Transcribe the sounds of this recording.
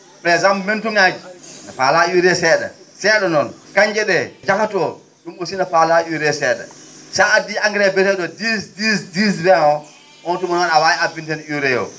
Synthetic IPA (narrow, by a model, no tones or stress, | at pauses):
pɾɛzammentuŋad͡ʒinafalajuɾɛsɛɗa̰ | sɛɗɔnɔnkaɲd͡ʒɛɗɛd͡ʒakatɔ | ɗumosinafalajuɾɛsɛːɗa̰ | saadiaŋɡɾɛbɛtɛɗɔdisdisdisbɛɔ | ʔɔntumanɔnawaɛabintɛnuɾɛjɔ̰